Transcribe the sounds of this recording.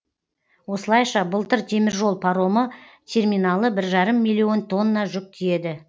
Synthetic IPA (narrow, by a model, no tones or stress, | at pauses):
wo̞səlˠɑjʃɑbəlˠt̪əɾt̪ʲʰe̞mɪɾʒo̞lˠpʰɑɾo̞mə | t̪ʰe̞rmijnɑlˠəbɪɾʒɑɾəmːijlʲːijo̞nt̪ʰo̞nːɑʒʏk̚t̪ʰije̞d̪ɪ